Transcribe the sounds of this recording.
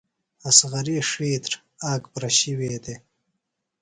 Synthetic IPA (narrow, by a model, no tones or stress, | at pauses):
asɣɐɾiːʂiːt̪ɾ | aːkpɾaɕiweːd̪e